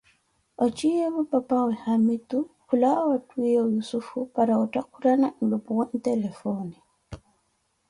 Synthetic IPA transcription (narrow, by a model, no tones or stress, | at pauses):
ɔt͡ʃijɛβupapawɛhamitukulaawatwijajusufupaɾaɔtakuɾanan̩lupuwan̩t̪ɛlɛfɔni